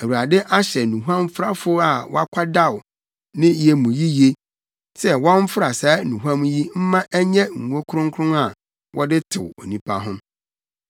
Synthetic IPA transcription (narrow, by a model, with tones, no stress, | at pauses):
æ˨wu˨ɾa˨dɛ˦ʔa˦ɕɛ˨nũ˨ɦuã˦mfɾa˦fʊ˦a˨wɔ̰˦a˦kʷʰa˦da˦˨w | nɪ̃˦jɛ˨mũ˨ji˦je˦ | sɛ˦wɔ̃˦m̩˦fʊ˦ɾa˨sa˨˦nũ˨ɦã˦m˦ji˦m̩˦mã˦ʔæ˦ɲɛ̃˦ŋ̩ː˨o˦kʰʊ˦ɾʊ̃˦ŋkʰʊ˦ʊ̃˦na˨ | wʔɔ˦dɪ˦tʰɪ̰˨wo̰˨nĩ˦pʰa̰˦ɦʊ̃˦m